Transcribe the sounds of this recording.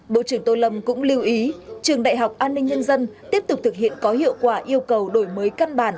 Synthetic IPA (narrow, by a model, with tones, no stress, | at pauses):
ɓo̰˧˨t͡ɕɨ˧˩əŋt̪o˧lə˧˩mkʊ̰˧˥ŋ͡mli˧əwʔi˨˦t͡ɕɨ˨˩əŋɗa̰ː˧˨jɦa˨˩wk͡p̚ʔaː˧nːï˧ŋ̟ɲə˧nzə˧nt̪i˦˥əp̚t̪ʊ˨˩k͡p̚t̪ʰɨ˨˩k̚hḭ˧˨ənkɔ˨˦hḭ˧˨əwkwaː˧˩ʔi˧əwkə˨˩wɗo˧˩jməː˨˦jka˧nɓaː˧˩n